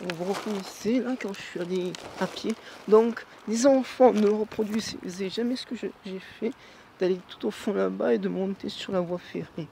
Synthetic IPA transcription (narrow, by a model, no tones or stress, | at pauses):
ɔ̃vuʁəkɔneselakɑ̃ʒəsɥialeapjed̪ɔ̃k | lezɑ̃fɑ̃nələʁəpχɔd̪ɥizzɛʒamɛsə̥kəʒəʒɛfɛ | d̪̥alet̪u̥t̪ofɔ̃labaed̪əmɔ̃t̪esyʁlavwafeʁe